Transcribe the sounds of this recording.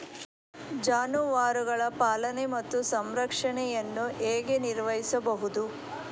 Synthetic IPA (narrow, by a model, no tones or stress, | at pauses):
d͡ʒaːnuʋaːɾuɡɐɭɐpaːlɐnemɐt̪ːusɐmɾɐkʂɐɳɛjɐnːueːɡe̞niɾʋɐjisɐbɐɦud̪u